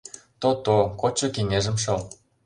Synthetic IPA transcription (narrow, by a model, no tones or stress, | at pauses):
t̪ot̪okot͡ɕːɤ̆keŋeʒə̆mʃɤ̆l